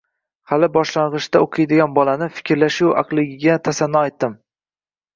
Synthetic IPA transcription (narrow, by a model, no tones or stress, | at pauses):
halɪbɒʃlaɴʁɨʃd̪aoqʰɨjd̪ɪɡʲanbɒlanɪfɪ̥kʲʰɪɾlaʃʊwɑ̰qlˠɪɡʲɪɡʲat̪ʰasanːɒajt̪ːɪm